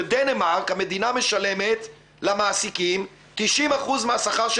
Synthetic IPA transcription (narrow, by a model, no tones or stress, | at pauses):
d̪enemaʁkhame̞d̪iname̞ʃale̞me̞t̪ | lamaːsikim | t̪iʃimaχuzmeasaχaʁʃ